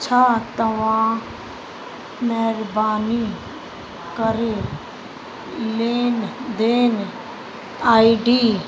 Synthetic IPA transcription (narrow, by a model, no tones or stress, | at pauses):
t͡ʃʰaːt̪əʋãː | nɛːɾbaːniː | kəɾeː | leːnd̪eːn | aːiɖiː